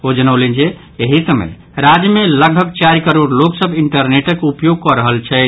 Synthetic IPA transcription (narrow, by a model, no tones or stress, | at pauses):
od͡ʒənəwlend͡ʒe | eɦisəmə̰j | ɾad͡ʒjmeləɡ̚bʱəɡt͡ʃaɾikəɾoɖloksəbʱiɳʈəɾneʈəkupjoɡ̚kɔɾəɦəlt͡ʃʰɛ